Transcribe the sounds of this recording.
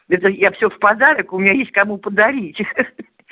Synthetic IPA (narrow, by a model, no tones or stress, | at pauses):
ɛt̪̬əjafsʲɵfpɐd̪aɾəkʊmʲɪnʲajesʲtʲkɐmupəd̪ɐɾʲitʲ